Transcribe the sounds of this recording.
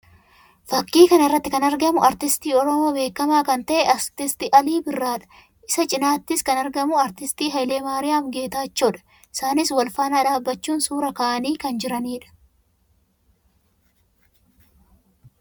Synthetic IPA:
fɐkːiːkɐnɪrːɐt̪ːɪkɐnɐɾɡɐmʊɐɾt̪ɪst̪iːɔɾɔmo̞ːbe̞ːkːɐmaːkɐnt̪ɐʔɛʔɐɾt̪ɪst̪ɪʔɐliːbɪrːaːᶑɐ̥ | ʔɪsɐt͡ʃʼɪnaːt̪ːɪskɐnɐɾɡɐmʊɐɾt̪ɪst̪iːɦɐjleːmaːɾɪjaːfɡe̞ːt̪aːt͡ʃːoːᶑɐ̥ | ʔɪsaːnɪswɐlfaːnaːᶑaːbːɐt͡ʃːuːnsuːɾɐkɐːʔɐniːkɐnd͡ʒɪɾɐniːᶑɐ̥

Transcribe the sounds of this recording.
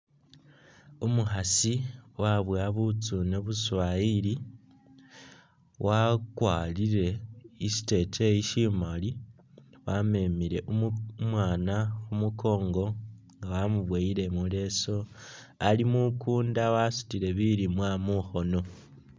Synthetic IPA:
umuxasiwaβwaβut͡suneβuswaili | wʔakwaːliɾe̞isi̥te̞teiʃimali | wame̞miɾe̞ʔummwaːnaxumukʰo̞ːŋɡo̞ | ŋɡawamuβweiɾe̞mule̞so̞ | alimukuːndawasu̥tiɾe̞βiɾimwamuxo̞no̞

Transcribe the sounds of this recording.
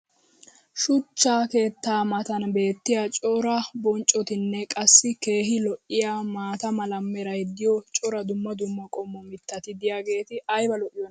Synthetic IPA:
ʃʊt͡ʃːaːke̞ːt̪ːaːmɐt̪ɐnbe̞ːt̪ːɪjat͡ʃʼɔɾɐbɔnt͡ʃʼːɔt̪ɪnːɛkʼɐsːɪke̞ːɦɪlɔʔɪjaːmaːt̪ɐmɐlɐmːɛɾɐjd̪ɪjɔt͡ʃʼɔɾɐd̪ʊmːɐd̪ʊmːɐkʼɔmːɔmɪt̪ːɐt̪ɪd̪ɪjaːɡe̞ːt̪ɪɐjbɐlɔʔɪjɔn

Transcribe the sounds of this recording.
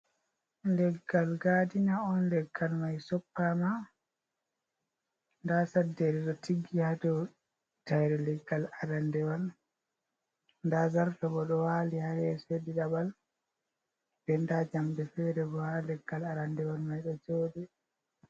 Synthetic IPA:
nlɛɡːalɡadinaɔnlɛɡːalmajsɔpːama | ndasadːɛɾɛɗɔtiɡːihadɔ | tajɾɛlɛɡːalaɾandɛwal | ndazaɾtabɔɗɔwaːlihaɾɛsediɗabal | b̥ɛndad͡ʒamdɛfɛɾɛbɔhalɛɡːalaɾandɛwalmajɗɔd͡ʒoːɗɛ

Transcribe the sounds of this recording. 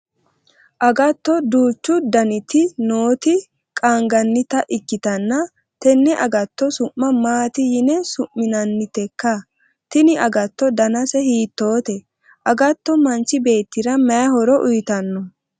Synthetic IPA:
ʔɐɡɐt̪ːɔd̪uːt͡ʃːʊd̪ɐnɪt̪ɪnoːt̪ɪ | kʼaːŋɡɐnːɪt̪ɐʔɪkːɪt̪ɐnːɐ | t̪ɛnːɛʔɐɡɐt̪ːɔsʊʔːɐmaːt̪ɪjɪnɛsʊʔmːɪnɐnːɪt̪ɛkːɐ | t̪ɪnɪʔɐɡɐt̪ːɔd̪ɐnɐsɛhiːt̪ːo̞ːt̪ɛ | ʔɐɡɐt̪ːɔmɐnt͡ʃːɪbe̞ːt̪ːɪɾɐmɐjɐhɔɾɔʔʊjt̪ɐnːɔ

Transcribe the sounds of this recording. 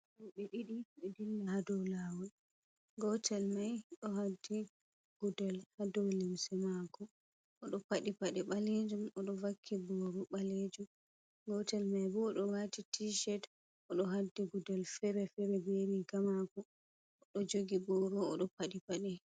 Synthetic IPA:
ɔɓɛɗiɗiɓɛdilːahadɔwlawɔ | ɡɔtʰɛlmajɗɔɦadːi | ɡ̥udɛlhadɔwlimsɛmakɔ | ʔɔɗɔpaɗipaɗiɓaled͡ʒumɔɗɔvakʰːibɔɾɔɓaled͡ʒum | ɡɔtɛlmajbuɗɔwatitʰiʃɛt | ʔɔɗɔɦadːiɡudɔlfɛɾɛfɛɾɛbeɾiɡamakɔ | ɗɔd͡ʒoɡibɔɾɔɔɗɔpaɗipaɗi

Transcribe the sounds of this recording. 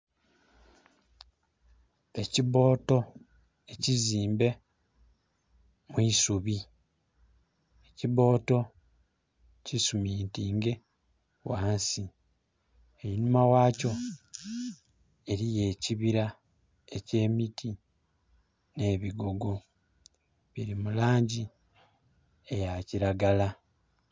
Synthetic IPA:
e̞ciβo̞ːto̞ | e̞ciziːmbe̞ | mwisuβi | eciβo̞ːto̞ | cisumiːntiːŋɡe̞ | waːnsi | einumawaːco̞ | e̞ɾije̞ːciβiɾa | ece̞ːmitʰi | ne̞ːβiɡo̞ɡo̞ | βiɾimulaːɲɟi | e̞jaciɾaɡala

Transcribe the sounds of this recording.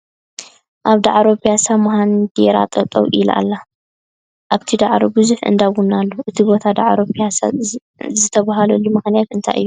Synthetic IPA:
ʔaβd̪aʕaɾo̞pʰijasamhand̪eɾa̰t̪ʼɐt̪ʼɐ̰wʔilʔa̰lːa | ʔaβt̪ʰid̪aʕɾobɨzuħɨ̰nd̪awunːalːoʔɨt̪ʰibo̞t̪ʰad̪aʕɾopʰijasa̰ | zɨt̪ʰɐβaɦalɐlːumɨxnijat̪ɨnt̪ʰa̰jʔɨ̰jːu

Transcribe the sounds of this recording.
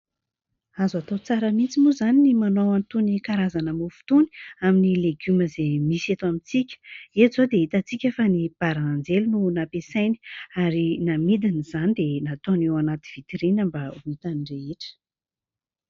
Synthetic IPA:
azat̪owt͡saɾəmint͡simuzaninimanowant̪unikaɾazanəmufu̥t̪uni̥aminileɡyməzemiset̪oamit͡sikʲə̥ezod̪eɦit̪at͡sikʲəfanib̥aɾanand͡zelununapesajni̥aɾinamid̪inizanid̪enat̪onewanat̪iv̥it̪iɾinəmbauɦit̪anireeʈ͡ʂə̥

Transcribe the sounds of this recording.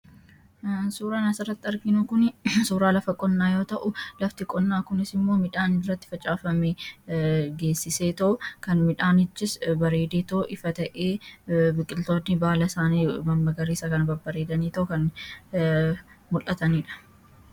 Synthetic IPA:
suːɾaːnɐsɪrːɐt̪ːɪɐɾɡɪnʊkʊnsuːɾaːlɐfɐkʼɔnːaːjo̞ːt̪ɐʔʊlɐft̪ɪkʼɔnːaːkʊnɪsɪmːo̞ːmɪᶑaːnɪrːɐt̪ːɪ̥fɐt͡ʃʼaːfɐme | ɡe̞ːsːɪseːt̪ɐʔʊkɐnmɪᶑaːnɪt͡ʃːɪsbɐɾe̞ːd̪eːt̪ɐʔʊʔɪfɐt̪ɐʔeːbɪkʼːɪlt̪oːt̪nːɪbaːlɐsaːniːmɐmːɐɡɐɾeːsɐkɐnɐbɐbɐɾe̞ːd̪ɐniːt̪ɐʔʊkɐn | mʊlʔɐt̪ɐniːᶑɐ̥

